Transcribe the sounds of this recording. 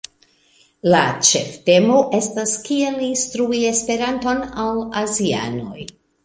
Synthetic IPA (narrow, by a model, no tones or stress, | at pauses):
lat͡ʃe̞fte̞mo̞ʔe̞staskielːinstɾuie̞spe̞ɾanto̞nawazia̰no̞̰j